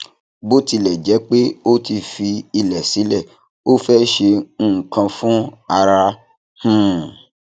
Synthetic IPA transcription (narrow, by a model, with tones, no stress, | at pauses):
bo˦ti˧lɛ˨d͡ʒɛ˨˦k͡pe˦o˦ti˧fi˧i˧lɛ˨si˨˦lɛ˦˨ | o˦fɛ˦ʃe˧ñ̩ː˦˨kã˧fũ˦a˧ɾa˧ | hũ˦˨